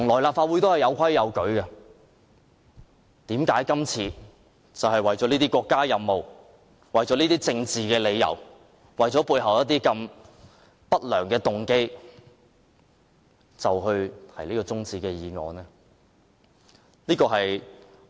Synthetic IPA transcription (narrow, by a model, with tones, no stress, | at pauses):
t̪ʰʊ˨˩ŋlɔː˨˩jlaː˨p̚faː˧t̚wu˨˥jt̪o˥whɐ˨˩jɐ˨˧wkʰɐ˥jːɐ˨˧wkɵ˨˥ɥkɐ˧ | t̪iː˨˥mkaː˨˥jkɐ˥mt͡sʰiː˧ | t͡sɐ˨wɦɐ˨jwɐ˨˩jt͡sɔː˨˥niː˥t̪iː˥kwɔː˧kːaː˥jɐ˧mːo˨˩w | wɐ˨jt͡sɔ˨˥niː˥t̪iː˥t͡sɪ˧ŋt͡siː˨kɛː˧le˨˧jːɐ̰˨˩w | wɐ˨jt͡sɔː˨˥puː˧jɦɐ˨˩wjɐ˥t̪iː˥kɐ˧m | pɐ˥t̚lœː˨˩ŋkɛː˧t̪ʊ˨˩ŋke˥j | t͡sɐ˨wɦɵ˧ɥt̪ʰɐ˨˩jliː˥kɔː˧t͡sʊ˥ŋt͡siː˧kɛː˧jiː˨˧ŋɔ̰ː˨˧nɛː˥ | liː˥kɔː˧ɦɐ˨j